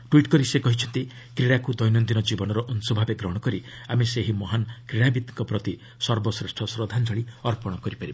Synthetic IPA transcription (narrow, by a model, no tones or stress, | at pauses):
ʈwiʈkɔɾisekɔɦit͡ʃʰɔnt̪i | kɾiɽakud̪ɔjnɔnd̪inɔd͡ʒibɔnɔɾɔʔɔnsɔbʱabeɡɾɔɽ̃ɔkɔɾi | ameseɦimɔɦanɔkɾiɽabit̪ŋkɔpɾɔt̪i | sɔɾbɔsɾesʈʰɔsɾɔd̪ʱand͡ʒɔɭiɔɾpɔɽ̃ɔkɔɾipaɾibe